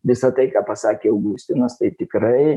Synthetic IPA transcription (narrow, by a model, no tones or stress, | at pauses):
ʋʲɪsɐt̪ɐɪkɑːpɐsɑːkʲeːɐʊɡusʲt̪ʲɪnɐst̪ɐɪt̪ʲɪkɾɐɪ